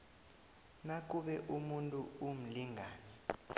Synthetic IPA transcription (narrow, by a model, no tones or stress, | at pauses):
nak̬ʼuɓɛʔumuntʼuum̩liŋʱaːnɛ